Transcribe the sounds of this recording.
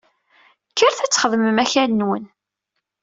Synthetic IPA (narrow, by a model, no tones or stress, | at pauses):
kːəɾθæt͡sːχəðˤməmæçænwən